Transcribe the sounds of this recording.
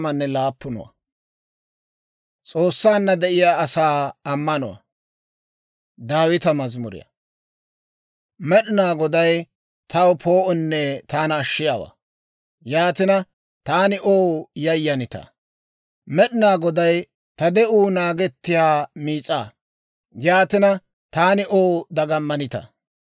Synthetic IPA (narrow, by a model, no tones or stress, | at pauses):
mɐnːɛlaːpːʊnɔ̰wɐ̰ | t͡sʼo̞ːsːaːnːɐd̪ɛʔɪjaːɐsaːɐmːɐnɔ̰wɐ̰ | d̪aːwɪt̪ɐmɐzmʊɾɪ̰jɐ̰ | mɛɗɪnaːɡɔd̪ɐj | t̪ɐwpʰo̞ːʔɔnːɛt̪aːnɐːʃːɪjaːwa̰ː | jaːt̪ɪnɐ | t̪aːnɪʔoːwjɐjːɐnɪt̪ɐ̰ | mɛɗɪnaːɡɔd̪ɐj | t̪ɐd̪ɛʔuːnaːɡɛt̪ːɪjaːmiːt͡sʼaː | jaːt̪ɪnɐ | t̪aːnɪʔoːwd̪ɐɡɐmːɐnɪt̪ɐ̰